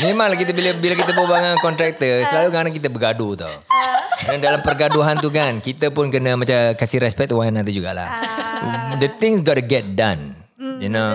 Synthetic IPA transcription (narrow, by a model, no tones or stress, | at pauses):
mẽmãŋlahkit̪̬əbiləbilak̬it̪̬əpəbaŋankɔnt̪ɾɛk̚t̪əsəlalukanaŋk̬it̪̬əbəɡadut̪a̰wknadalampərɡaduɦant̪̬uk̬ankit̪əpʊnkənəmat͡ʃakasiɾɛspɛk̚t̪waanat̪əd͡ʒuɡa̰ʔla̰h | dət̪ɪ̃ŋsɡɔtuɡɛt̪̚dan | juno